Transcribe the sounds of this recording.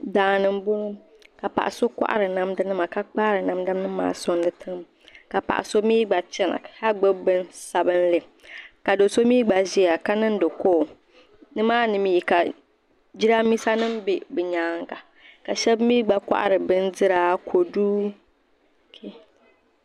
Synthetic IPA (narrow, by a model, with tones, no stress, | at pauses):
daː˨nɨ˦mbʊ˦ŋ˦ | ka˨pa̰˨ʔa̰˨so˦ka̰˦ʔa̰˦ɾɨ˨na˦mdɨ˦nɨ˦ma˨ka˦k͡paː˦ɾɨ˨na˨mda˦nɨ˦mːa̰ː˦so˦ndɨ˨tʰɨ˦ŋ˦m | ka˨pa̰˨ʔa̰˨so˦miː˦ɡ͡ba˨t͡ʃɛ˦na̰˨ha˦ɡ͡bɨ˦bɨ˦nsa˨bɨ˦nlɨ˨ | ka˨do˨so˦miː˦ɡ͡ba˨zi˦a˨ka˦nɨ˦n˦do˨ko˦˨ | nɨ˦maː˦nɨ˨mi˨˦˨ka˨ | d͡ʒi˦ɾa˦mi˦sa˦nɨ˦mbe˨bɨ˨ɲaː˨˦ŋka˨ | ka˨ʃɛ˦bmiː˦ɡ͡ba˦kʷa̰˦ʔa̰˦ɾɨ˨bɨ˦nzɨ˦ɾaː˦kʰo˨duː˦ | kʰe˦